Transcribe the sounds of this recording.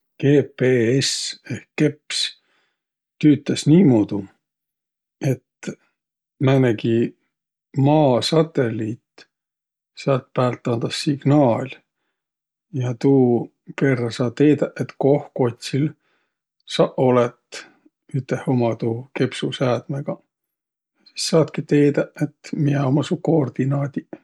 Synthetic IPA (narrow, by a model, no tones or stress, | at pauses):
ke̞ːpeesehkːe̞ps | t̪yːt̪ːˑesniːmuːd̪̥u | e̞t̪ | mæneɡi | mɑːsɑt̪ːe̞lʲit̪ | sɑlt̪̚pæːlt̪ːˑɑnd̪̥ɑsːiɡ̥nɑːlʲ | jɑt̪uː | ke̞rːɑsɑːt̪ːe̞ːd̪æʔet̪ko̞hko̞t̪ʲsil | sɑʔo̞let̪ | yt̪ːehomɑt̪uːke̞psusæːd̪̥meɡ̥ɑ | si̥sːɑːt̪kit̪e̞ːd̪̥ɑet̪mieomɑsukoːrd̪̥inɑːd̪̥i